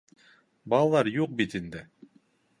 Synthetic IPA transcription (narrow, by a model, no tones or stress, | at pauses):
bɑlˠɑlˠɑɾjuq̚bit̪ind̪ɘ